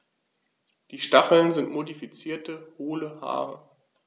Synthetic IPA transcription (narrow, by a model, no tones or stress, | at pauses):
d̥iːʃtaχl̩nzɪntmodifit͡siːɐtəhoːləha̰ːʁə̰